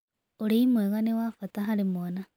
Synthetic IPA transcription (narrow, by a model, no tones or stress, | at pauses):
oɾimweɣanewafataɦaɾimwona